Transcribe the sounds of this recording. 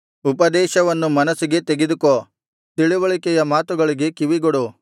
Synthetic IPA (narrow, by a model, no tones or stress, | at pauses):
upɐd̪ɛːʃɐʋɐnːumɐnɐsiɡe̞t̪eɡed̪uko | t̪iɭiʋɐɭikɛjɐmaːt̪uɡɐɭiɡe̞kiʋiɡoɽu